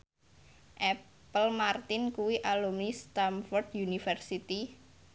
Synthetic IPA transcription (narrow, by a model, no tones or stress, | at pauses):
ʔɛ | pəlmart̪ɪnkuwiʔalumnist̪amfɔrd̪junifərsit̪i